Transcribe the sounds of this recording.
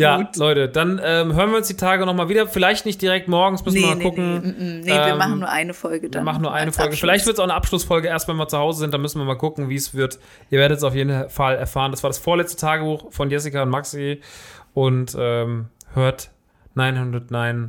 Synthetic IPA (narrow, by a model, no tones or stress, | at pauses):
jaːlɔʏtəd̥anʔɛːmɦøːʁnviɐʊnsd̥iːtʰaːɡənɔχmaːlviːdɐfɪlaɪçtnɪçt̚d̥iʁɛk̚tmɔɐɡŋ̩smʏsn̩viːɐmakʰʊkŋ̩nɛvːiɐmannːuːɐʔa̰ɪnəfɔlɡədv̥ɐmaχn̩nːuːɐʔaɪnəfɔlɡəfɪlaɪçtv̥ɪɐtsaʊnəʔapʃlʊsfɔlɡəʔeːɐstmvɛnviːɐt͡suhaʊzəzɪnt̚d̥anmʏsn̩viːɐmaːlkʊkŋ̩viːsv̥ɪɐt | ʔiːɐveɐəts̬aʊfjeːdn̩falɛɐfaːʁəndasv̥aɐɾasfoːɐlɛt͡stətʰaːɡəbuːxfɔnjɛs̬ikaʊntmaksiʔʊntʔɛːmhøːɐt | naɪnhʊndʁɐtnaɪn